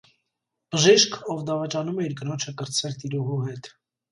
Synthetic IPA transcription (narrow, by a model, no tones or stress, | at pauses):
b̥əʒiʃkʰɔvd̪ɑvɑt͡ʃɑnumɛiɾɡənɔt͡ʃʰəkəɾt͡sʰɛɾt̪iɾuɦuɦɛt̪